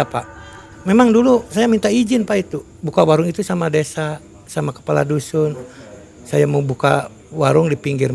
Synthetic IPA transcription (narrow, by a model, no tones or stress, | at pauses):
apa | memaŋdulusajamint̪aid͡ʒɪnpait̪u | bukawaɾʊŋit̪usamadesa | samakə̥pala̰dusʊn | sajamabuka̰ | waɾʊŋdipiŋɡɪr